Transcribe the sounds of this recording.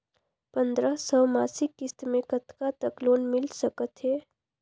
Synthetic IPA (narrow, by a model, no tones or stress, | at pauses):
pənd̪ɾəsəmaːsɪkːɪst̪mẽkət̪kat̪əkloːnmɪlsəkət̪ɦɛː